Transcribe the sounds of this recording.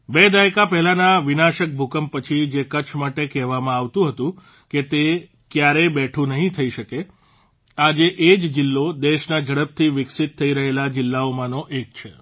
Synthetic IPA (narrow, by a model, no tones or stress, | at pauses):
bed̪ajkapɛɦlanaʋɪnaʃək̚bʱukəmpət͡ʃʰid͡ʒekət͡ʃʰmaʈekɛɦʋamãaʋt̪ũɦət̪ũ | ket̪e | kjaɾebɛʈʰũnəɦĩt̪ʰəiʃəke | ad͡ʒeʔed͡ʒd͡ʒɪlːod̪eʃnad͡ʒəɽəp̚t̪ʰiʋɪksit̪ʰːəiɾəɦelad͡ʒɪlːaomãnoʔek̚t͡ʃʰe